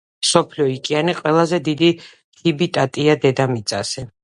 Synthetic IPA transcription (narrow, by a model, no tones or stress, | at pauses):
msɔpʰliɔikʼianiqʼwɛlˠazɛd̪id̪i | hibit̪ʼat̪ʼiad̪ɛd̪amit̪sʼasɛ